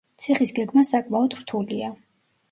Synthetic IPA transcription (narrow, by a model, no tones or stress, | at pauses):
t̪sʰiχisɡɛɡmasakʼmaɔd̪ɾt̪ʰulia